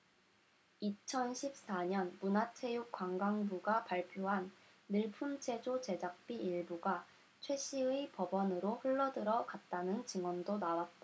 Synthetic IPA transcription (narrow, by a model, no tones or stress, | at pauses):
it͡ɕʰʌnɕʰip̚s͈aɲʌnmunatʰe̞juk͈waŋɡaŋbuɡapaɭpʰjoɦanː | ɯɭpʰumt͡ɕʰe̞d͡ʑot͡ɕe̞d͡ʑak̚p͈iiɭbuɡa | t͡ɕʰwe̞ɕ͈ʰiipʌbʌnɯɾoɸuɭːʌdɯɾʌkat̚t͈anɯnt͡ɕiŋwʌndonawat̚t͈a